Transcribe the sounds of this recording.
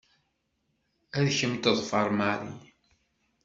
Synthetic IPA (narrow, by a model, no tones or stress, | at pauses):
æðçəmt̪əðˤfɑɾˤmaɾˤḭ